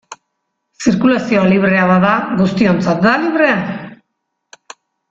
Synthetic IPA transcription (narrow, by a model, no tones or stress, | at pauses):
siɾkulasio̞aliβ̞ɾe̞aβaðaɣust̪io̞nt͡sat̪̚d̪aliβɾe̞a